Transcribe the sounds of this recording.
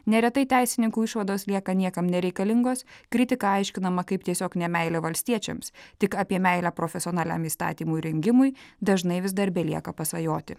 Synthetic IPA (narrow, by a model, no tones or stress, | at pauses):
nʲɛɾʲɛt̪ɐɪt̪ʲæɪsʲɪnʲɪŋkuːɪʃʋɐd̪oːslʲiɛkɐnʲiɛkɐmnʲɛɾʲɛɪkɐlʲɪŋɡoːskɾʲɪt̪ʲɪkɐɑɪʃʲkʲɪnɐmɐkɐɪp̚t̪ʲiɛsʲoːknʲɛmʲɛɪlʲɛʋɐlʲsʲt̪ʲiɛt͡ʃʲɛ̰mst̪ʲɪkɑːpʲiɛmʲɛɪlʲæpɾoːfʲɛsʲoːnɑːlʲæ̰ːmiːst̪ɑ̰ːt̪ʲiːmujɾʲɛŋʲɡʲɪmʊɪd̪ɐʒnɐɪʋʲɪzd̪ɐɾʲbʲɛlʲiɛkɐpɐsʋɐjoːt̪ʲɪ